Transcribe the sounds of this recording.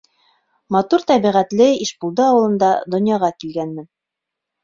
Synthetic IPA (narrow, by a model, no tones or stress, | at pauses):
mɑt̪uɾt̪ɑβiʁæt̪lɘiʃpulˠd̪ɤɑwɤ̆lˠɤ̆nd̪ɑd̪ŏnjɑʁɑkilɡænmɘn